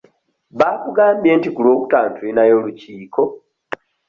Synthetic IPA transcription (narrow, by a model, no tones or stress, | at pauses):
βaːkuɡaːmbje̞ːntikuloːkutaːntuinajo̞ːluciːko̞